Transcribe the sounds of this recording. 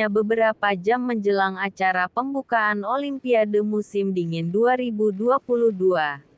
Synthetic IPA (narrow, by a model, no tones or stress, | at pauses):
abəbəɾapad͡ʒamːəɲd͡ʒəlaŋat͡ʃaɾapəmbukaːnolimpiadəmusɪmdiŋɪnduaɾibuduapuluhdua